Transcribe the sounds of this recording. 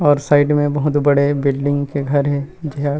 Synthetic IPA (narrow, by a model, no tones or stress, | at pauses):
ɔːɾsaːɪʈmẽbɐɦʊt̪bɐɽebɪlɖɪ̃ŋɡkeɡʱɐɾɦɛ̃d͡ʒɪɦa